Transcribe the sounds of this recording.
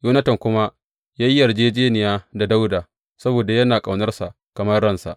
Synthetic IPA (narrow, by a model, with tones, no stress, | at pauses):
joː˦nɐ˦tɐ˨ŋkʷʊ˦ma˦ | jaː˦ji˦ʔɐ˨rd͡ʒeː˦d͡ʒeː˦nɪ˨jaː˦da˨da˦wdaː˨ | sɐ˦boː˨da˨jɐ˦naː˨kʼa˨wnɐ˦rsa˨ʔ | kɐ˨mɐ˦rːɐ˦˨nsa̰˨ʔ